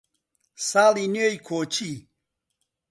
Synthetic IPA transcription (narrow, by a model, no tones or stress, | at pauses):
saːliniojkʰoːt͡ɕʰi